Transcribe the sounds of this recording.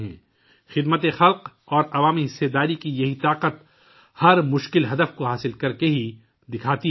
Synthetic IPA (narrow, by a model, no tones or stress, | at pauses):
ɦɛ̰̃ː | xɪd̪mət̪exɐlq | ɔːɾɐʋaːmiɦɪsːed̪aːɾikijɐɦit̪aːqət̪ | hɐɾmʊʃkɪlɦɐd̪əfkoɦaːsɪlkɐɾkeɦi | d̪ɪkʰaːt̪i